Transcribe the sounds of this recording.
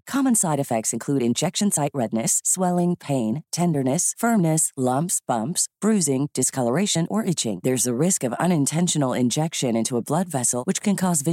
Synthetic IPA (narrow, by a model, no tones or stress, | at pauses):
kʰɑmɨ̃nsaɪɾɨfɛk̚tsɨ̃nkʰl̥uɾɨ̃nd͡ʒɛkʃɨ̃n̩saɪʔ̚ɹɛdⁿnɨsːwɛlˠɪ̃ŋpʰẽɪ̃ntʰɛ̃ndə˞nɨsfɜ̃˞mnɨslʌ̃mpsb̥ʌ̃mpsb̥ɹʉzɪ̃ŋd̥ɨskʰʌlˠə˞eɪʃɨ̃nʔə˞ʔɪt͡ʃɪ̰̃ŋðə˞zɨɹɪskʌvʌ̰̃ñɨ̃ntʰɛ̃nʃɨnl̩ˠɪ̰̃nd͡ʒɛkʃɨ̃nɪ̃ntuəblʌdvɛsl̩ˠwɨt͡ʃkʰɨ̃nkʰɔzvɪ